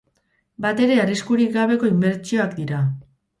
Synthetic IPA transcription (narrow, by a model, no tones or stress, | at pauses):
bat̪e̞ɾe̞ariskuɾik̚ɡaβ̞e̞ko̞imbe̞ɾt͡ʃio̞akd̪iɾa